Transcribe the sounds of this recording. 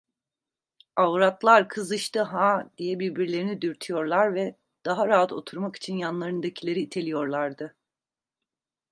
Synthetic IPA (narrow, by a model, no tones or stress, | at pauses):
avɾat̪lˠaɾkʰɯzɯʃt̪ɯɦad̪̥ijɛbiɾbiɾlʲe̞ɾinid̪yɾt̪ʰyjo̞ɾlˠaɾvɛ | d̪̥aɦaɾaɦat̪ʰo̞̰t̪ʰuɾmaki̥t͡ʃʰinjanlˠaɾɯnd̪acʰilʲe̞ɾiːt̪ʰe̞lʲijo̞ɾlˠaɾd̪ɯ